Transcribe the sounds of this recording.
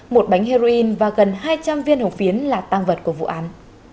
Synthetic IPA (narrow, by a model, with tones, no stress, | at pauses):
mo˨˩t̚ɓa˨˦jŋ̟ɦhe˧ɾo˧ʔi˧nvaː˨˩ɣə˨˩nhaː˧jt͡ɕa˧mvi˧ənhə˨˩w̚fi˨˦ənlaː˨˩t̪aː˧ŋvə˨˩t̚ku˧˩əvṵ˧˨ʔaː˨˦n